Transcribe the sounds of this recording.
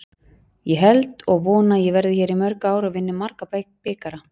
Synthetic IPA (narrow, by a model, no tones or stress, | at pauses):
jɛɦɛlt̪ɔɣvɔːnajɛvɛɾðɪçɛːɾimœɾkaːwɾavɪnːɪmaɾkapapeːkaɾa